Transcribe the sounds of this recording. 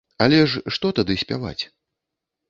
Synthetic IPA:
alʲɛʂʂt̪ɔt̪ad̪ɨsʲpʲava̰t͡sʲ

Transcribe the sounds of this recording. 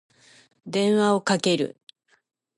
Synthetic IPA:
d̪ẽ̞ɰ̃βao̞kake̞ɾɯ̟̰

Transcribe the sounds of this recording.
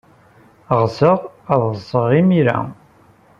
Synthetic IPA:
ʁzəʁəðˤsəʁimiɾæ̰

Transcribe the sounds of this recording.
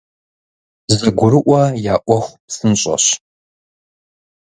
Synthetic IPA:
zɐɡʷʊɾɨʔʷɐjaːʔʷɔχʷpsɨnɕʼɐ̰ɕ

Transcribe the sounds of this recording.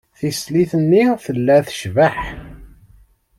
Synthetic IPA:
θisliθənːiθəlːæθə̥ʃvaħ

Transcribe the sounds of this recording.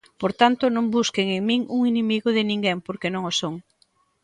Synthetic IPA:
poɾt̪ant̪ʊnõmbuskeŋeŋmĩŋuŋinemiɣʊðɪnĩŋɡempoɾkenõŋosoŋ

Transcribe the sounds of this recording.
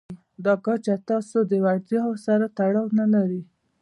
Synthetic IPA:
d̪ɑkat͡ʃat̪ɑsod̪əwaɾt̪jɑsaɾat̪aɽɑwnalaɾi

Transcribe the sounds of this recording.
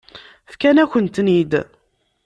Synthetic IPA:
fkænæçənt̪nid̪

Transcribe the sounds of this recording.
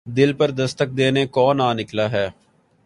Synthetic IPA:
d̪ɪlpəɾd̪əst̪ək̚d̪eːneːkɔːnaːnɪklaːɦɛː

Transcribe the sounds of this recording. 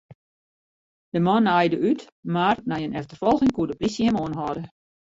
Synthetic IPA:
d̥əmɔnajdəyt | marnajənɛftərfɔlˠɣɪŋkuədəprisjəhɛmoənɦɔdə

